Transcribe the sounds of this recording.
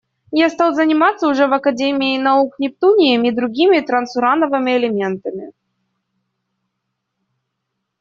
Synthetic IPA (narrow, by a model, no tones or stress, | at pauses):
jast̪alˠzənʲɪmat̪səʊʐɛvɐkɐdʲemʲɪːnɐuknʲɪpt̪unʲɪjəmid̪ɾʊɡʲimʲɪt̪ɾɐnt̪sʊɾanəvɨmʲɪɛlʲɪmʲe̞nt̪əmʲɪ̰